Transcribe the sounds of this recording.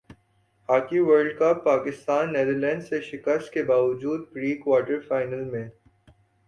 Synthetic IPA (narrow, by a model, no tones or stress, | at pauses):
haːkiʋəɾɖkɐpːaːkɪst̪aːnːed̪əɾlɛ̃ːnɖseʃɪkəst̪̚kebaːʋəd͡ʒuːd̪̚ɡɾiːkwaːʈəɾfaːɪnəlmẽ